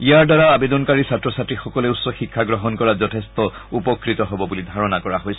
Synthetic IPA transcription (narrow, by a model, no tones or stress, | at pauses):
ijaɹdaɹaabed̪ɔnkaɹisatɹɔsatɹixɔkɔlɛusɔxikʰːaɡɹɔɦɔnkɔazɔtʰest̪ɔupɔkɹit̪ɔɦɔbɔbulid̪ʱaɹɔnakɔɹaɦojsɛ